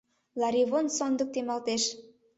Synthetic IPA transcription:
lɑɾiβonsond̪ɤk̚t̪emɑlt̪eʃ

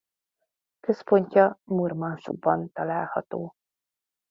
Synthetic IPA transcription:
køspo̞ɲcɒmurmɒnʃo̰ɡ̚bɒnt̪ɒlaːlhɒt̪oː

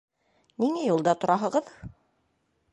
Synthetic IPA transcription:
niŋæjulˠd̪ɑt̪ŏɾɑɦɤ̆ʁɤð

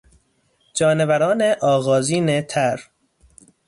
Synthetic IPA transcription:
d͡ʒɒːnevæɾɒːneʔɒːɣɒːziːnet̪ʰæɾ

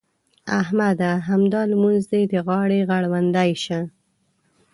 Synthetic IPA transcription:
ahmad̪aɦamd̪ɑlmunzd̪ed̪əɣɑɽeɣaɽwand̪ajʃə

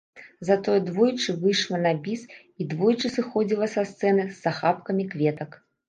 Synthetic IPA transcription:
zɐt̪ɔjɛd̪vɔjt͡ʂɨvɨjʂlˠɐnabʲis | id̪vɔjt͡ʂɨsɨxɔd͡zʲilˠɐsast̪sɛnɨsːaxapkɐmʲikvʲɛt̪ɐk

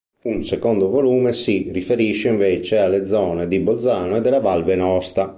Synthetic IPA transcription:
unsekɔnd̪ovoluːmesirifeɾiʃːeiɱveːt͡ʃealːed̪zːɔːned̪ibod̪zaːnoɛd̪ːɛlːavalvenɔst̪a

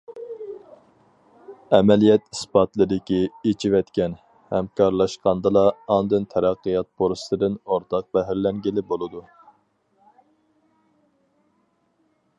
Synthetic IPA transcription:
ɛmɛlijɛt̪isbɑt̪lˠɨd̪ɪkʲiet͡ʃʰiwɛt̪kʲɛn | hɛmkʰɑɾlˠɑʃqɑnd̪ɨlˠɑːnd̪ɨnt̪ʰæɾɑqːɨjɑt̪̚boɾsɨ̥t̪ɨd̪ɪnoɾt̪ʰɑq̚bæɦɪɾlɛŋɡʲilɪbolˠɨd̪u

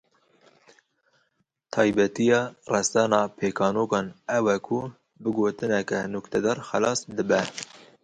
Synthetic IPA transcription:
t̪ʰɑːjbɛt̪ijɑːrɛst̪ɑnɑːpʰeːkɑːnoːkɑːnɛwɛkʰu | bɨɡoːt̪ɨnɛkɛnʊkt̪ʰɛd̪ɑːɾxɛlɑːsd̪ɨbɛ

